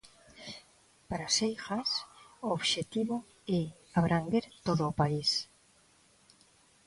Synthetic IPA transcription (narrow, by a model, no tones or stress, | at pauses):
paɾasejxasooβʃet̪iβo | e | aβ̞ɾʔaŋɡeɾt̪oðoːpais